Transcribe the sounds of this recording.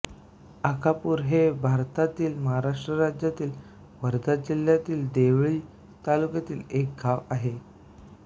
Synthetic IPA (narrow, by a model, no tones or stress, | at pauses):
akapuːɾɦebʱaɾt̪at̪iːlməɦaɾaʂʈɾəɾad͡ʑjat̪iːl | ʋəɾd̪ʱad͡ʑil̤jat̪iːld̪eʋɭiː | t̪alukat̪iːlek̚ɡʱaʋaɦe